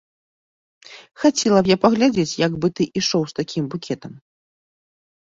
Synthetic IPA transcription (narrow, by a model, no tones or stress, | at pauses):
xat͡sʲɛlˠɐbjapɐɣlʲad͡zʲet͡sʲjɐɡbɨt̪ɨʔiʂɔwst̪akʲimbukʲɛt̪ɐm